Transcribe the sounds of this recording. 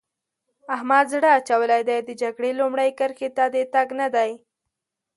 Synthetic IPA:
ahmad̪zɽaːt͡ʃawəlajd̪ajd̪əd͡ʒaɡɽelumɽəjkəɾxet̪ad̪et̪aɡnad̪aj

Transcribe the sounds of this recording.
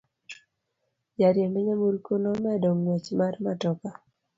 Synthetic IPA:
jaɾjemeɲamuɾkonɔmɛdɔŋwɛt͡ʃmarmatɔka

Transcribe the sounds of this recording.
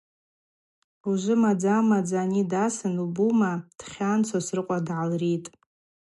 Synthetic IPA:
uʒʷɨmad͡zamad͡zanidasɨnubumad̥χʲant͡sʰosrɨqʷʼadʕalritʼ

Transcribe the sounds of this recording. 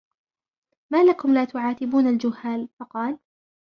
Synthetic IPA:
maːlakʊmlaːt̪ʊʕaːt̪ɪbuːnald͡ʒʊhːaːlfɑqɑːl

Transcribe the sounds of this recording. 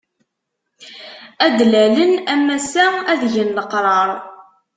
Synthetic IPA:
æd̪lælənæmːæsææðʝənləqɾˤɑɾˤ

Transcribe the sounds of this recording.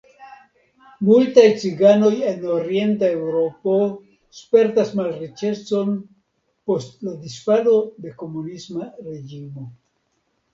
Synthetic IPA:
multajt͡siɡano̞je̞noɾie̞ntae̞wɾo̞po̞ | spe̞ɾtasmalrit͡ʃe̞t͡so̞n | po̞stlad̪isfalo̞d̪eko̞munismaɾe̞d͡ʒimo̞

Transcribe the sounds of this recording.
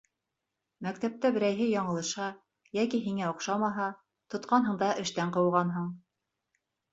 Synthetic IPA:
mæk̚t̪æp̚t̪æbɘ̆ɾæjɦɘjɑɴɤ̆lˠɤ̆ʃɑ | jækiɦiŋæŏqʃɑmɑɦɑ | t̪ŏt̪̚qɑnɦɤ̆ɴd̪ɑʔɘ̆ʃt̪æɴqɤ̆wʁɑnɦɤɴ

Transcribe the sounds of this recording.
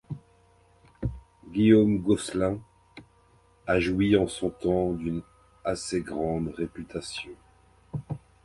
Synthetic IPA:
ɡʲiomɡɔslɛ̃ | aʒuwiɑ̃sɔ̃t̪ɑ̃d̪yn | aseɡʁɑ̃d̪ʁepyt̪ʰasjɔ̃

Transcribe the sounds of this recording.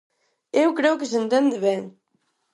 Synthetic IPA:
ewkɾeʊkɪsẽnt̪ɛnd̪ɪβɛŋ

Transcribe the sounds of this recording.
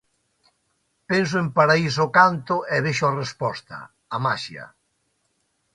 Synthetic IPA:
pens̬ʊempaɾaisʊkant̪ʊʔɛβeʃʊarespɔst̪ɐ̰ | amaʃiɐ̰

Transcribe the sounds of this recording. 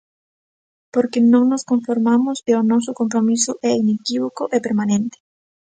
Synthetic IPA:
poɾkenõŋnoskoɱfoɾmamʊseonɔs̬ʊkompɾomisʊʔɛinekiβokoʔepeɾmanẽnt̪e̥

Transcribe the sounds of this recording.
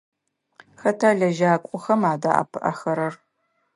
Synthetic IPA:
xɐtʰaːɮɐʒaːkʷʼʊxɐmaːda̰ːʔɐ̰pʰɨʔɐ̰xɐɾɐr

